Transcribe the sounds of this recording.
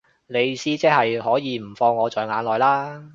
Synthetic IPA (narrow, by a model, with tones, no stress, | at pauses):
le˨˧jsiː˥t͡sɛː˥hɐ˨jɦɔː˨˥jiː˨˧m̩˨˩fɔː˧ŋːɔː˨˧t͡sɔː˨jŋaː˨˧nlɔː˨jlaː˥